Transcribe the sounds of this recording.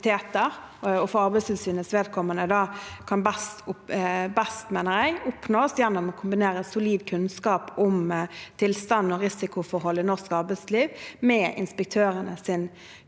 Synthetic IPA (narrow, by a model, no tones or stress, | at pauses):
t̪ʰeːt̪əɾ | ɔfɔɑɾbɛɪsɪlsyːnəsʋeːd̪̚kʰɔmːənəd̪ɑːkʰɑnbɛst̪ʊbɛst̪meːnəɾjæɪɡʊpnoːsjɛnːʊmɔkʰʊmbɪneːɾəɛsʊliːd̪kʰʉnskɑːpʊmt̪ʰɪlst̪ɑnːɔɾɪsɪkʊfɔɾɦɔlːɪnɔskɑɾbɛd̪sliːʋmɛːʔɪ̰nspək̚t̪ʰøːɾənəsɪn